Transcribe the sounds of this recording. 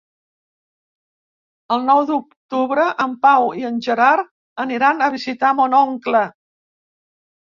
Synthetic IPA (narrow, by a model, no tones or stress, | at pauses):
əlˠnɔwðuk̚t̪uβɾəʔəmpawiənʲʒəɾaɾ | əniɾanəβ̞izit̪amonɔŋklə